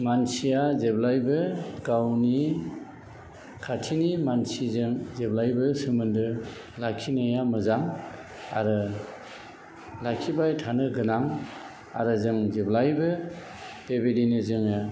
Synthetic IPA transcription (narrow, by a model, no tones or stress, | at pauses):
mansijazeblajbɯɡawni | kʰatʰinimansizɯŋzeblajbɯsɯmɯndɯ | lakʰinajamɯzaŋ | a̰ɾɯ | lakʰibajtʰanɯɡɯnaŋ | a̰ɾɯzɯŋzeblajbɯ | b̥ebedinizɯŋɯ